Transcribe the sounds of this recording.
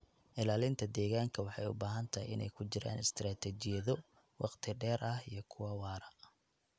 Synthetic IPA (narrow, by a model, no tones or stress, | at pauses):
ʔɪlaːlɪnt̪ʰɐd̪ɛːɣaːŋkʰɐwɑħɑ̰jʊ̰baːɦɐnt̪ʰɐjɪ̰nɛ̰jkʰʊt͡ʃɪɾa̰ːnɪst̪ʰɾaːt̪ʰɛt͡ʃɪjɐðɔ | wɑqt̪ʰɪɖɛːɾʔɐhijɞkʰʊwɐwɑːɾɐ